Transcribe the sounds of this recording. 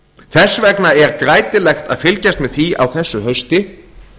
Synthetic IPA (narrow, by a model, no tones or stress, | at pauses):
θɛsːvɛknaɛɾkɾaːjt̪ɪlɛxt̪a̰ðfɪlcast̪mɛðθia̰wθɛsːʏhœɥst̪ɪ